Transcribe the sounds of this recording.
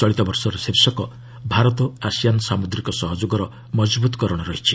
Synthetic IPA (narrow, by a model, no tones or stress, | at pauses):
t͡ʃɔɭit̪ɔbɔɾsɔɾɔsiɾsɔkɔ | bʱaɾɔt̪ɔasijansamud̪ɾikɔsɔɦɔd͡ʒoɡɔɾɔ | mɔd͡ʒbut̪ɔ̥kɔɾɔɽ̃ɔɾɔɦit͡ʃʰi